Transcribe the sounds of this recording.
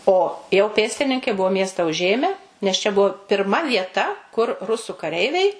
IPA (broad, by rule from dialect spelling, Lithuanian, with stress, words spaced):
oː jɛʊ ˈpʲeːsʲtʲɪnʲɪŋkɐɪ ˈbʊʋoː ˈmʲiɛstɐ ʊˈʒʲeːmʲɛ nʲɛs t͡ʃʲɛ ˈbʊʋoː pʲɪrˈmɐ ʋʲiɛˈtɐ kʊr ˈrʊsʊ kɐˈrʲɛɪʋʲɛɪ